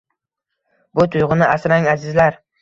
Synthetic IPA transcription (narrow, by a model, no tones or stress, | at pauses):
bʊt̪ʰʊj̪ʁʊnɪʔasɾaŋazɪzlaɾ